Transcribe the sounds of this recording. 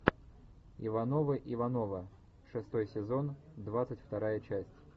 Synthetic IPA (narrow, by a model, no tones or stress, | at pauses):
ḭvɐnovɨʔivɐnovə | ʂɨst̪ojsʲɪzond̪vat̪sɨtʲft̪ɐɾajət͡ɕæsʲtʲ